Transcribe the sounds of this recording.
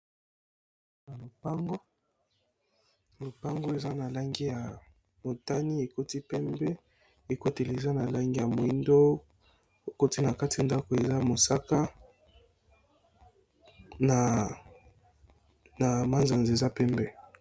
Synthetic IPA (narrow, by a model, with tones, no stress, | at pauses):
na˨lo˨pa˦ŋɡo˦˨ | lo˨pa˦ŋɡo˦e˨za˦na˨la˦ŋɡi˦ja˨ | mo˨ta˦ni˦e˨ko˦ti˦pɛ˦mbɛ˦ | e˨ko˦te˨le˨za˦na˨la˦ŋɡi˦ja˨mo˨i˦ndo˦ | o˨ko˦ti˦na˨ka˦ti˨ja˨nda˦ko˨e˨za˦mo˨sa˦ka˦ | na˨ | na˨ma˦nza˨nzi˨e˨za˦pɛ˦mbɛ˦